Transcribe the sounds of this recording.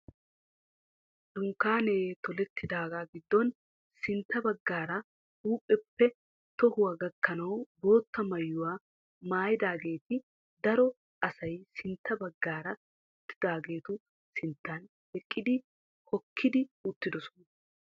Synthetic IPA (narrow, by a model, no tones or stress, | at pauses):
d̪̥ʊŋkːaːneːt̪ɔlɛt̪ːɪd̪aːɡaːɡɪd̪ːɔn | sɪnt̪ːɐbɐɡːaːɾɐ | huːpʼːɛpːɛ | t̪ɔhʊwaɡɐkːɐnɐwbo̞ːt̪ːɐmɐjːʊwaː | maːjɪd̪aːɡe̞ːt̪ɪ | d̪ɐɾɔ | ɐsɐjsɪnt̪ːɐbɐɡːaːɾɐ | ʊt̪ːɪd̪aːɡe̞ːt̪ʊ | sɪnt̪ːɐn | ɛkʼːɪd̪ɪ | hɔkʰːɪd̪ɪʊt̪ːɪd̪ɔsɔ̥nɐ